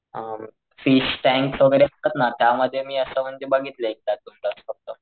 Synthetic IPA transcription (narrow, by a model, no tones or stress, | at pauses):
ə | fiɕʈɛ̃ŋksəɡɾeəkət̪nat̪jaməd̪ʱːjemiːəsəm̤əɳd͡ʑebaɡʱit̪lek̚t̪jad̪umʈəsfək̚t̪ə